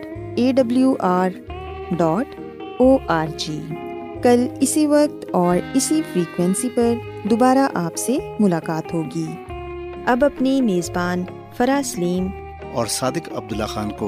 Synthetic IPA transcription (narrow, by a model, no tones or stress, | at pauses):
eːɖɐbljuʔaːɾ | ɖɔːʈ | oːʔaːɾd͡ʒiːkɐlɪsiʋɐk̚t̪ɔːɾɪsifɾiːkwɛ̃nsipɐɾ | d̪obaːɾaʔaːpsemʊlaːkaːt̪ɦoːɡiː | ɐbɐpnimeːzbaːn | fɐɾaːsliːm | ɔːɾsaːd̪ɪkɐb̚d̪ʊlːaxaːnko